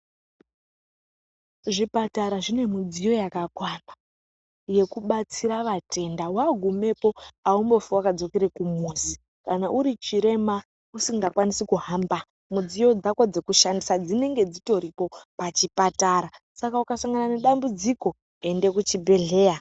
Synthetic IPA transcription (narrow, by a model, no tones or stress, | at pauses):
ʐipataɾaʐine̞mud͡zijo̞jakakwana | je̞kuɓat͡siɾaʋatʰe̞ndawaɡʱume̞po̞aumbo̞fuwakad͡zo̞keɾekumuːzi | kanaʔuɾit͡ʃiɾe̞ma | usiŋɡakwanisikuɦamba | mud͡zijo̞d͡zakwod͡ze̞kuʃandisad͡zine̞ŋɡe̞d͡zito̞ɾipo̞pat͡ʃipataɾa | sakaukasaŋɡanane̞ɗambud͡ziko̞ | e̞nde̞kut͡ʃibʱe̞ɮe̞ːja